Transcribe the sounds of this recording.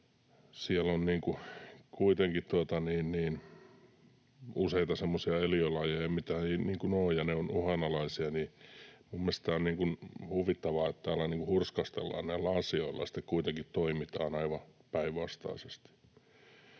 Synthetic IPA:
siɛlːonniːŋkukuit̪eŋkitt̪uot̪ɑniːnniːn | useit̪ɑsemːosiɑeliolɑjejɑmit̪æeniːŋkunoːjjɑneonuhɑnɑlɑisiɑnimumːelst̪æːonniːŋkunhuʋit̪ːɑʋɑːet̪t̪æːolːɑniːŋkuhurskɑst̪ḛlːɑ̰ːnnæilːæɑsioilːɑ̰ɑsi̥t̪ekuit̪eŋkitt̪oimit̪ɑ̰ːnɑiʋɑpæiʋʋɑst̪ɑ̰isest̪i̥

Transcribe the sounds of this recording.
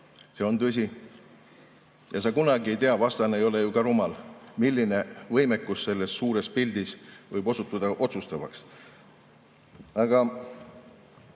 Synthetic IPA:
se̞o̞nt̪ys̬ʲi | jɑsɑkunɑɡie̞jt̪eɑvɑst̪ɑnejo̞le̞jukɑɾumɑlmilːine̞vɤjme̞kːˑusːe̞lːe̞sːuːɾe̞spilʲd̪̥isvɤjbo̞sut̪ːˑud̪̥ɑʔo̞t̪sust̪ɑvɑ̰ks | ɑɡ̥ɑ

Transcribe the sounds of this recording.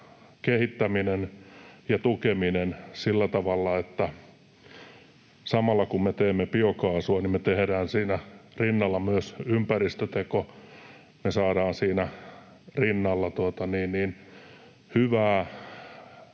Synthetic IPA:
kehit̪ːæminenjɑt̪ukeminensilːæt̪ɑʋɑlːɑet̪ːæ | sɑmɑlːɑkummet̪eːmːepiokɑːsuɑnimmet̪ehdæːnsiːnærinːɑlːɑmyøsympærist̪øt̪eko | mesɑːdɑːnsiːnæ | rinːɑlːɑt̪uot̪ɑniːnniːn | hyʋæː

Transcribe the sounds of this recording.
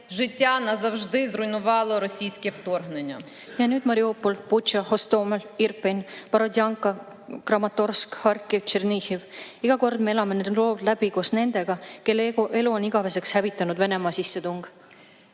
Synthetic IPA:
ʒɪtʲːanɐzɐwʒd̪ɪzrʊjnʊʋɑlˠɔɾɔsʲijsʲkʲɛwt̪orɦnenʲːɐ | jɑnyːd̪mɑɾiopːolput̪t͡ʃɑho̞st̪oːmelirpenʲpɑɾod̪ʲjɑŋkːˑɑ | krɑmɑt̪ːˑorskhɑrkːˑevt͡ʃerniçiviɡ̥ɑko̞rd̪̥me̞e̞lɑmened̪lo̞ːd̪læbikosne̞nd̪̥e̞ɡ̥ɑkelːe̞luoniɡ̥ɑve̞se̞kshævit̪ːˑɑnud̪ve̞ne̞mɑːsisːe̞t̪uŋɡ̥

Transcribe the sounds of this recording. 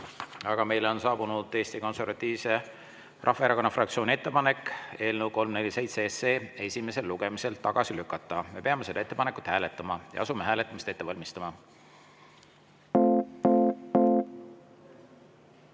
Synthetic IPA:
ɑɡ̥ɑme̞jleo̞nsɑːbunud̪̥e̞ːst̪iko̞nse̞rvɑt̪ːˑiːvse | rɑhfɑe̞ɾɑko̞nːɑfrɑk̚t̪sio̞ːnie̞t̪ːe̞pɑne̞kːe̞ːlnəwko̞lmne̞lʲːise̞jt̪se̞se̞ːe̞sʲime̞se̞lːuɡ̥e̞mise̞lt̪ɑɡ̥ɑsilykːˑɑt̪ːˑɑme̞pe̞ɑme̞se̞d̪ɑe̞t̪ːepɑne̞kut̪hæːle̞t̪ːˑɑmɑjɑ̰ɑsumeɦæːlet̪ːˑɑmist̪e̞t̪ːe̞vɑlʲmist̪ɑmɑ

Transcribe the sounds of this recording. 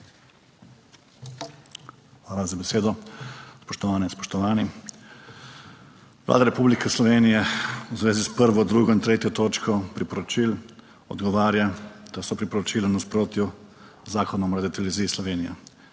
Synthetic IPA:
xxʋaːlazabɛseːd̪ɔspɔʃt̪ɔʋaːnɛinspɔ̥ʃt̪ɔʋaːni | ʋlʔa̰ːd̪aɾɛpublikɛslɔʋeːnijɛzʋeːzispəɾʋɔd̪ɾuːɡɔint̪ɾeːt̪jɔt̪oːt͡ʃkɔpɾipɔɾɔt͡ʃil | ɔ̰d̪ɡɔʋaːɾjad̪̥asɔpɾipɔɾɔt͡ʃiːlanaspɾoːt̪ju | zaːkɔnɔmɾad̪it̪ɛlɛʋiziːslɔʋeːnija̰

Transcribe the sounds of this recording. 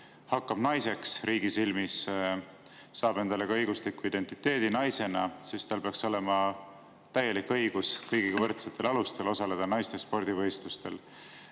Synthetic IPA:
hɑkːɑb̥nɑjse̞ksɾiːɡ̥isilmis | ɑːb̥e̞nd̪̥ɑleɡ̥ɑɤjɡ̥uslikːuid̪̥e̞nt̪ˑit̪ːˑe̞ːd̪̥inɑjse̞nɑsist̪ɑlpeɑkso̞le̞mɑ | t̪æjːe̞likːɤjɡ̥uskɤjɡ̥iɡɑvɤrt̪set̪ːˑe̞lɑlust̪e̞lo̞sɑle̞d̪̥ɑnɑjst̪espo̞rd̪̥ivɤjst̪lust̪e̞̰l

